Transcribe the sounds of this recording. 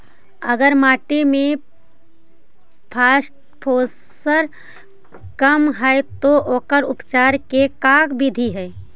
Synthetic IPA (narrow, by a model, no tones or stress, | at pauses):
əɡəɾmaːʈemẽ | pʰaːsʈ | pʰoː | səɾ | kəmɦɛjt̪oʔoːkəɾʊpt͡ʃaːɾkekaːkbʱid̪ʱiɦɛː